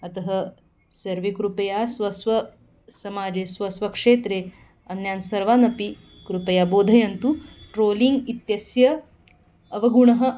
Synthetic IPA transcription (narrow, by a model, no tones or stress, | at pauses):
ɐt̪ɐɦɐ | sɐɾʋikɾupɐjaːsʋɐsʋɐ | sɐmaːd͡ʒeːsʋɐsʋɐkʂeːt̪ɾeː | ɐnjaːnsɐɾʋaːnɐpi | kɾupɐjaːboːd̪ʱɐjɐnt̪uʈɾoːliŋɡit̪jɐsjɐː | ʋɐɡuɳɐɦɐ̆